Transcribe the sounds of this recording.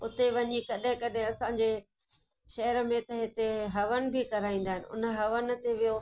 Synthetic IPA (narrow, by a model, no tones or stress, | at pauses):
ʊt̪eʋɐɲikɐɗɦɪ̃kɐɗɦɪ̃ɐsãɲd͡ʑe | ʃɐɦəɾə̆mẽt̪ɐɦɪt̪eɦɐʋənɪ̆bʱikɐɾaːĩːnd̪aːɦɪnɪʊ̰nə̆ɦɐʋənɪ̆t̪eʋijo